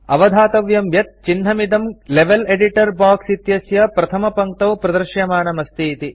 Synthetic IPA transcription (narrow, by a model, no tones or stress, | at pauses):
ɐ̰ʋɐd̪ʱaːt̪ɐʋjɐmjɐt̪̚t͡ʃinɦɐmid̪ɐmleʋeleɖiʈɐɾbaːksit̪jɐsjɐpɾɐt̪ʰɐmɐpɐŋk̚t̪ɐwpɾɐd̪ɐɾʃjɐmaːnɐmɐst̪iːt̪i